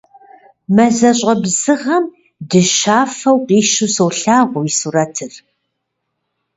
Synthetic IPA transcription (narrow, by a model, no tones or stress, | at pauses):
mɐzɐɕʼɐbzɨʁɐm | dɨʃaːfɐwqʼiːʃusɐwɬaːʁʷʊisurɐtʰɨr